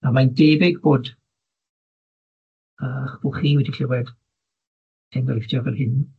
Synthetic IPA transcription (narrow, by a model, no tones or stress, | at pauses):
amandeːbɪɡboːd | əːχb̥ʊχiːwɛdiɬɪwɛd | tʰɛnɡɔlɪfdjɔɡərhɪn